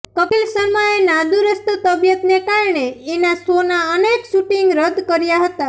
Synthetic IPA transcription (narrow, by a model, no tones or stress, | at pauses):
kəpilsəɾmaenad̪uɾəst̪ət̪əbjət̪nekaɾɳeːnasonaənekʃuʈiŋɡɾəd̪ʱkəɾjaɦət̪a